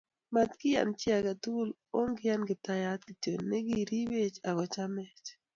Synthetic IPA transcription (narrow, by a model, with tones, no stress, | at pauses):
ma˨t̪kɪ˦ja̰˨nt͡ʃɪ˦a˨ɡa˨tu˦l | o˦ŋɡɪ˦ja˦nɡɪ˨ta˨ja˨˦t̪̚ki˨to˨nːɛ˦ɡi˦ɾi˦we˦t͡ʃa˨ɡɔ˨t͡ʃa˦mɛ˨t͡ʃ